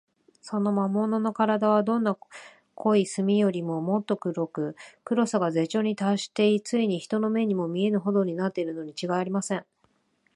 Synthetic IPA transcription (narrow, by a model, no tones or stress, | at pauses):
so̞no̞mamo̞no̞no̞kaɾad̪aβ̞ad̪õ̞nːa | kʰo̞isɨmʲijo̞ɾʲimo̞mo̞t̪ːo̞kɯ̟ɾo̞kɯ̟kɯ̟ɾo̞saɡaze̞t͡ɕo̞ːɲ̟it̪aɕi̥t̪e̞it͡sɨiɲ̟içi̥t̪o̞no̞me̞ɲ̟imo̞mʲie̞nɯ̟ɦo̞d̪o̞ɲ̟inat̪ːe̞iɾɯ̟no̞ɲ̟it͡ɕiɡaiaɾʲimasẽ̞ɴ